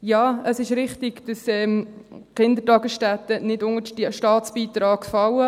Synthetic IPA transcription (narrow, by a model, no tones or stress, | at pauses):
jɑːəsɪʃɾɪχtɪɡd̥ɑsɛːmkɪnd̪ətɑɡəsʃtæt̪ənɪdʊŋəiʃtɑːt͡sb̥iːt̪ɾɑːɡ̥fɑwə